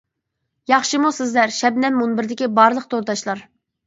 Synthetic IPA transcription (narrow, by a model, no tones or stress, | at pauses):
jɑχʃɨmusɪzlæɾʃɛbnɛmːunbɪɾd̪ɪkʲibɑɾlˠəq̚t̪ʰoɾd̪ɑʃlˠɑɾ